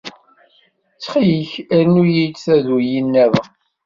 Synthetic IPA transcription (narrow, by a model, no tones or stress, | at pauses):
t͡sːχijçæɾnujit͡sθæðujinːæðə